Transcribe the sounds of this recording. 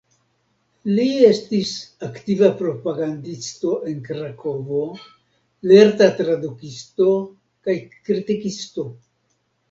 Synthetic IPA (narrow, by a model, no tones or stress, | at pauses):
lie̞stisaktivapɾo̞paɡandisto̞ʔe̞nkɾakʰo̞vo̞ | le̞ɾtatɾadukisto̞ | kajkɾitikisto̞